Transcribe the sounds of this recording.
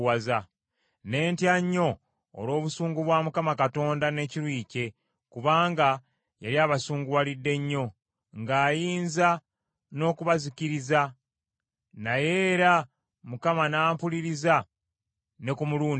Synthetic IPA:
waza | ne̞ːntjaɲːo̞̰ː | lo̞ːβusuːŋɡuβwaːmukamakato̞ːndane̞ːciɾwiːce̞ | kuβaːŋɡa | jaɾiaːβasuːŋɡuwalidːe̞ɲːo̞ | ŋɡaːjiːnza | no̞ːkuβaziciɾiza | naje̞ːɾa | mukamanaːmpuliɾiza | ne̞kumuluːn

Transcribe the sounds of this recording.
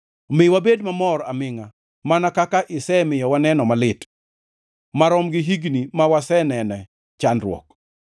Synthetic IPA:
mɪwabedmamɔɾa̰mɪŋa | manakakaʔɪsɛmɪjɔwanɛnɔmalɪt | maɾɔmɡɪɦiɡnimawasɛnɛnɛ | t͡ʃanɾwɔ̰k̚

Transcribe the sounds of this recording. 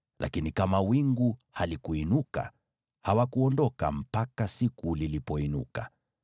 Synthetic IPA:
lʔa̰kinikamawiŋɡuhalikuinuka̰ | hawakuɔndɔka̰m̩pakasikulilipɔinṵka

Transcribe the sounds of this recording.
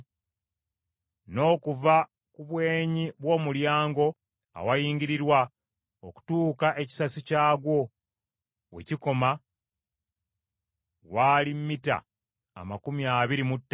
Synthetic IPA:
no̞ːkuva | kuβwe̞ːɲiβwo̞ːmuljaːŋɡo̞ | a̰wajiːɲɡiɾiɾwa | oku̥tuːkaʔe̞ci̥sasicaːɡwo̞ | we̞̰ciko̞ma | waːlimːita̰ː | makumiaːβiɾimutː

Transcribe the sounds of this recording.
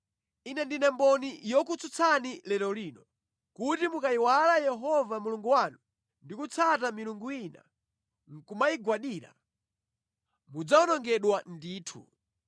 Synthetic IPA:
inɛndinɛmbɔnijɔkut͡sut͡sʰanilɛɾɔlinɔ | kutimukaiwalajɛɦɔvamuluŋɡuwanu | ndikut͡sʰatamiluŋɡuina̰ | ŋ̩kumaiɡwaɗiːɾa̰ | mud͡zaɔnɔŋɡɛɗwandiːtʰṵ

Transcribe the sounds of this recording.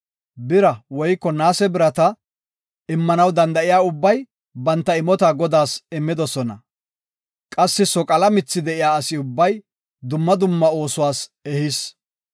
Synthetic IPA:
bɪɾɐwɔjkːɔnaːsɛbɪɾɐt̪ɐ | ɪmːɐnɐwd̪ɐnd̪ɐʔɪjaːʊbːɐj | bɐnt̪ːɐɪmɔt̪aːɡɔd̪aːsɪmːɪd̪ɔsɔnɐ̰ | kʼɐsːɪsɔkʼɐlɐmɪt͡sːɪd̪ɛʔɪjaːɐsɪʊbːɐj | d̪ʊmːɐd̪ʊmːɐo̞ːsʊwaːsɛhɪs

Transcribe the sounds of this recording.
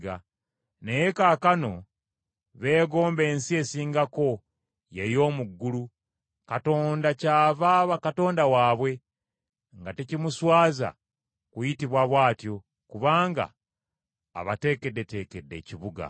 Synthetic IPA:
ɡa̰ | nejekaːkano̞ | βe̞ːɡo̞ːmbe̞ːnsie̞siːŋɡako̞ | je̞jo̞ːmuɡːulu | kato̞ːndacaːvaβakato̞ːndawaːβwe̞ | ŋɡatecimuswaːza̰ | kujitiβwaβwaːtjo̞ | kuβaːŋɡa̰ː | βate̞ːke̞dːe̞te̞ːke̞dːe̞̰ːciβuɡa̰

